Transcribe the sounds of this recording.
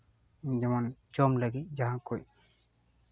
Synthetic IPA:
d͡ʒɛmand͡ʒɔmləɡit̪̚d͡ʒaɦãkoj

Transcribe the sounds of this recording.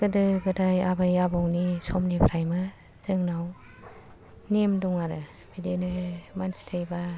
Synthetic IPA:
ɡɯdɯɡɯdajabajabɔwnisɔmnipʰɾajmɯ | zɯŋnaw | nemdɔŋaɾɯ | b̥idenɯmanstʰejba

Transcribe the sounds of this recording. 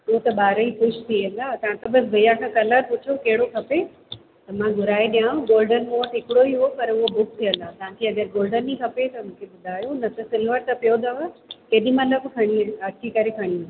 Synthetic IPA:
uot̪ɐɓaːɾəikʊʃʰt̪ʰiəlat̪ɐʋ̤ãt̪ɐbɐsʋɐjakʰãkɐləɾpʊt͡ʃʰokɛɦɪɽokʰɐpe | t̪ɐmãɡʊɾaːiɗijaːũɡoːlɖənmõəʈɦɪkɪɽoiɦopɐɾʊɦobʊk̚ʰt̪ʰijəlat̪ɐʋ̤ãk̪ʰiɐɡəɾɡoːlɖənikʰɐpet̪ɐmũːkʰeɓʊd̪ʱaːjonɐt̪ɐsɪlʋəɾt̪ɐpijod̪aʋakeːɗĩmɐləbkʰɐɽ̃iɐkʰikɐɾekʰɐɽ̃i

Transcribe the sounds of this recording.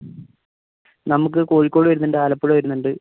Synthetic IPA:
nɐmuk̬ːɨko̞ːɻikʲːo̞ːɽɨʋɐɾunːɐnɳɖeaːlɐpːuɻɐʋɐɾunːuɳɖɨ

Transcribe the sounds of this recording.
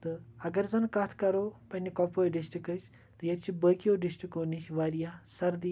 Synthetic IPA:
t̪ɨɐɡɐɾzɐnkɐt̪ʰkɐɾoːpɐnʲikɔpʰoːɖisʈikɨt͡ʃʰ | t̪ɨjɐt̪t͡ʃʰibəːkijoːɖisʈɾikoːniʃʋaːɾijaːsɐɾd̪i

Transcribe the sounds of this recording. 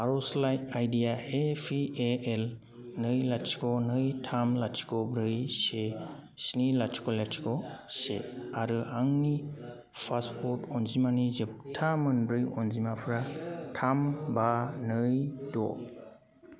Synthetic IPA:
aɾɔslajajdijaepʰieel | nɯjlat͡ʃʰi̥kɔnɯjtʰamlasʰi̥kɔbɾɯjsesnilat͡ʃʰi̥kɔlat͡ʃʰi̥kɔsḛaɾɯaŋni | pʰaspʰɔtɔnzimanizɯp̚tʰamɯnbɾɯjɔnzimapʰɾatʰambanɯjdɔ̰

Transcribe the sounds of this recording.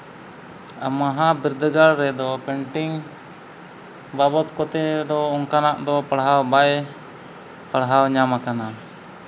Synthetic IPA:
a̰maɦabiɾd̪əɡaɭɾɛd̪ɔpɛɳʈiŋ | babɔt̪kɔt̪ɛd̪ɔɔŋkanaʔd̪ɔpaɽɦawbaj | paɽɦawɲamakana

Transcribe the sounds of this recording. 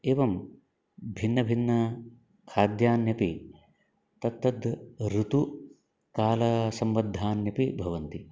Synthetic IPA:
eːʋɐm | bʱinːɐbʱinːɐ | kʰaːd̪jaːnjɐpi | t̪ɐt̪ːɐd̪ɾut̪u | kaːlɐsɐmʋɐd̪ʱːaːnjɐpibʱɐʋɐnt̪i

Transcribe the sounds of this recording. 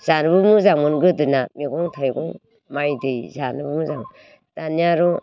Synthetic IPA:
z̥anɯbumuzaŋmunɡɯdɯnamiɡɔŋtʰajɡɔŋ | majdɯjzanɯbumuzaŋm | d̥anijaɾɔ

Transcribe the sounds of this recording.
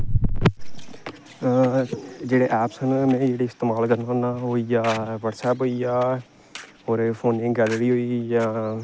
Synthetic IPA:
d͡ʒeːɽeːʔɛːpsənmɛ̃ːd͡ʒeːɽiɪst̪eːmaːlkəɾnənaːɦoːijaːʋəʈsɛːpɦoːijaː | oːɾpʰoːnɪ̃ŋɡɡɛːlɾiːɦoːiːjaː

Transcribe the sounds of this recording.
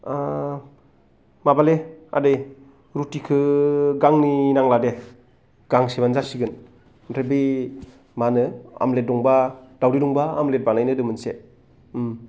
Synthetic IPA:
a | mabalea̰dɯj | ɾutikʰɯɡaŋninaŋlade | ɡ̥aŋsebanzasiɡɯn | nɾʰebi | manɯa̰mlet̚dɔŋbad̥awɾidɔŋbaːmlet̚banajnɯdɯmɯnse

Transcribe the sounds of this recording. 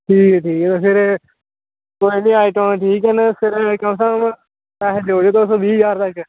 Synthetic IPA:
ʈʰiːkɛːʈʰiːkɛːt̪efɪɾ | koːinĩːaːiʈõːnʈʰiːkɛnapɪɾkəmsəm | tɛːɦd͡ʒoːd͡ʒeːt̪oːsoːbiːd͡ʒaːɾt̪ək

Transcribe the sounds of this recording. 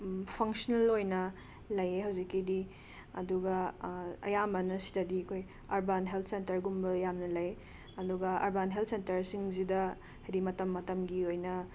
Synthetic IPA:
pʰɐŋsonelojnɐ | lɐjeɦɐwzikːidi | ɐ̰duɡɐɐ̰jamɐnɐsi̥dɐdiɐkʰoj | ɐɾbanɦelt̪̚ʰsentɐɾɡumbɐjamnɐlɐj | ɐduɡɐʔɐ̰ɾbanɦelt̚ʰsentɐɾsiŋzidɐ | hɐjɾimɐtɐmːɐtɐmɡiojnɐ

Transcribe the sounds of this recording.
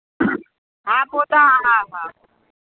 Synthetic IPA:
ɦabot̪aɦaɦãɦa

